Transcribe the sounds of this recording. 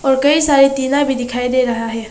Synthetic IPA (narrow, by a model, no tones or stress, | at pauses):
ɔːɾkəisaɾit̪inabʱid̪ɪkʰaid̪eɾəɦaɦɛː